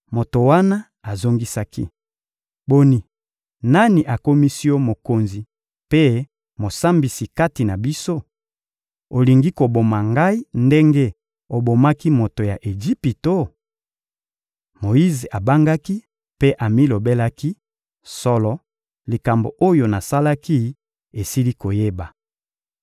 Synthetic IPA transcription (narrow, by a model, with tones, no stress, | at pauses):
mo˨to˨wa˦na˦ | a˨zo˦ŋɡi˦sa˦kḭ˦ | bo˦ni˨ | na˦ni˨ʔa˨ko˦mi˦si˦jo˦mo˨ko˨nzi˨ | pe˦ | mo˨sa˦mbi˨si˨ka˦ti˨na˨bi˦so˦ | o˨li˨ŋɡi˦ko˨bo˨ma˨ŋɡa˦i˦nde˦ŋɡe˦ | o˨bo˨ma˦ki˦mo˨to˨ja˨ʔe˨d͡ʒi˦pi˨to˦ | mo˨ji˦ze˨ʔa˨ba˦ŋɡa˦ki˦ | pe˦ʔa˨mi˦lo˨be˦la˦ki˦ | sɔ˨lɔ˨ | li˨ka˨mbo̰˨ʔo˦jo˨na˨sa˦la˦ki˦ | e˨si˦li˦ko˨je˦ba˨